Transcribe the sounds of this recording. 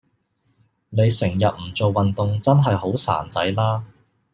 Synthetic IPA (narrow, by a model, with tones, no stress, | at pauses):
ne˨˧jsɪ˨˩ŋjɐ˨t̚m̩˨˩t͡so˨wːɐ˨nt̪ʊ˨ŋt͡sɐ˥nɦɐ˨jho˨˥wsa̰ː˨˩nt͡sɐ̰˨˥jlaː˥